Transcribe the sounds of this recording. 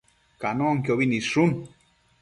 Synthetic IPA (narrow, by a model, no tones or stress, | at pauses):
kanoaŋkjoβiniʂun